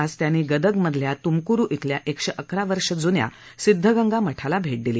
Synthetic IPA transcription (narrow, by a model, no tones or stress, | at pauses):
ad͡zt̪janiːɡəd̪əɡməd̪ʱljat̪umkuɾuːʔit̪ʰljaʔekʂəʔəkʰɾaʋəɾʂəd͡zunja̰ | sid̪ʱːəɡəŋɡaməʈʰalabʱeʈ̚d̪iliː